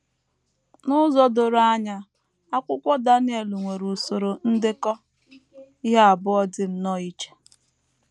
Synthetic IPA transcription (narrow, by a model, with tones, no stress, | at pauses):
nʊ˦zɔ˦do˨ɾa˦ɲa˦ | a˦kʷʊ˦kʷɔ˦da˦n˦e˨lu˨ŋʷe˨ɾu˨so˨ɾo˨n̩˦dɪ˦kɔ˦ | i˦ɦa˦a˨bʊ˦ɔ˦dɪ˦m̩˦nɔ˦i˦t͡ʃe̥˨